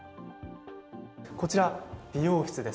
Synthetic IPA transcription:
ko̞t͡ɕiɾab̥ʲijo̞ːçʲi̥t͡sɨd̪e̞s

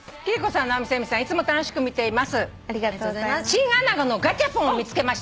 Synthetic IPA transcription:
kʲiɾiko̞sãnːaomʲisemʲisãit͡sɨmo̞t̪ano̞ɕi̥kɯ̟mʲit̪e̞imasɨ | aoaasɕĩhãnaɡano̞ɡatʲapõomʲit͡sɨ̥ke̞maɕi̥t̪

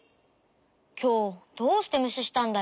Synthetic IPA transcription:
kʲʰo̞ːd̪̥oːɕɨ̥t̪e̞mɯ̟ɕiɕi̥t̪ãnd̪a

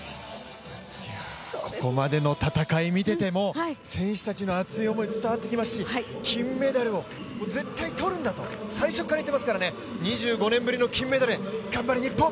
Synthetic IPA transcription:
a | kʰo̞ko̞mad̪e̞no̞t̪at̪akaimʲit̪e̞t̪e̞mo̞sẽ̞ɰ̃ɕɨ̥t̪at͡ɕino̞at͡sɨio̞mo̞it͡sɨ̥t̪aβat̪ːe̞kʲimasɨ̥ɕikʲʰĩmːe̞d̪aɾɯ̟o̞ | moze̞t̪ːait̪o̞ɾɯ̟̃nd̪at̪o̞saiɕo̞kːaɾait̪emasɨ̥kaɾane | ɲiʑɨːɡo̞nẽ̞mbɯ̟ɾʲino̞kʲĩmːe̞d̪aɾeɡambaɾʲiɲ̟ipːõ

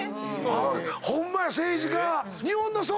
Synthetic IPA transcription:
hõmːaseːʑiɡa | ɲihõnːos̬oː

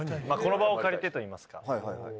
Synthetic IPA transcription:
mako̞no̞bao̞kaɾʲet̪e̞t̪o̞iːmasɨ̥ka̰

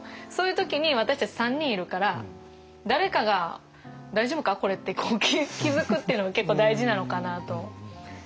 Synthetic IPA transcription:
so̞ːjɯ̟t̪o̞kʲiɲ̟iβat̪aɕi̥t̪at͡ɕi̥sãɲ̟ːĩɰ̃iɾɯ̟kaɾa | d̪aɾe̞kaɡa | d̪aiʑo̞ːbɯ̟kako̞ɾe̞t̪ːe̞koːkʲikʲizɨkɯ̟t̪ːe̞iɯ̟no̞ɡake̞kːo̞ːd̪aiʑinano̞kanat̪o̞

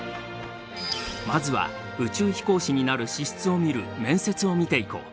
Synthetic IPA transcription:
mazɨβa̰ | ɯ̟t͡ɕɨːçi̥ko̞ːɕiɲ̟inaɾɯ̟ɕiɕi̥t͡sɨo̞mʲiɾɯ̟̰mẽ̞ɰ̃se̞t͡sɨo̞mʲit̪e̞iko̞̰

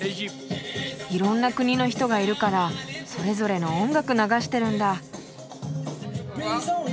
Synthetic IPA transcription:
iɾõ̞nːakɯ̟ɲ̟ino̞çi̥t̪oɡaiɾɯ̟kaɾaso̞ɾe̞zo̞ɾe̞no̞õŋɡakɯ̟naɡaɕi̥t̪e̞ɾɯ̟̃nd̪a

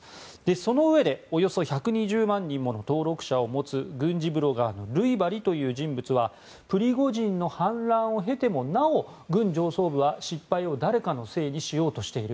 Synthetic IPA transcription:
d̪̥e̞so̞no̞ɯ̟e̞d̪e̞o̞jo̞so̞çakɯ̟ɲ̟iʑɨːmãɲ̟ːĩmːo̞no̞t̪o̞ːɾo̞kɯ̟̥ɕao̞mo̞t͡sɨɡɯ̟̃ɲd͡ʑibɯ̟ɾo̞ɡaːno̞ɾɯ̟ibaɾʲit̪o̞jɯ̟ːʑĩmbɯ̟t͡sɨβa | pɯ̟ɾʲiɡo̞ʑĩnːo̞hãnɾãɰ̃o̞ɦe̞t̪e̞mo̞nao̞ | ɡɯ̟̃ɲd͡ʑo̞ːso̞ːbɯ̟βaɕipːaio̞d̪aɾe̞kano̞se̞ːɲ̟iɕijo̞ːt̪o̞ɕi̥t̪e̞iɾɯ̟

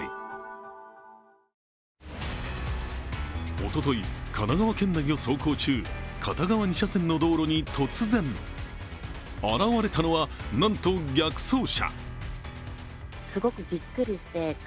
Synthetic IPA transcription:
o̰t̪o̞t̪o̞ikʰanaɡaβakẽ̞nːaɡʲioso̞ːko̞ːt͡ɕɨːkʰat̪aɡaβaɲ̟iɕasẽ̞nːo̞d̪o̞ːɾo̞ɲ̟it̪ʰo̞t͡sɨzẽ̞ɴ | aɾaβaɾe̞t̪ano̞βanãnt̪o̞ɡʲakɯ̟̥so̞ːɕa̰ | sɨɡo̞kɯ̟bʲikːɯ̟ɾʲiɕi̥t̪e̞

